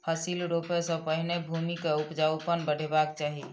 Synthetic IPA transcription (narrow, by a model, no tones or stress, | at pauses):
pʰəsilɾopesə̃pəɦinebʱumikaupd͡ʒawpənbəɽ̤ebakt͡ʃaːɦi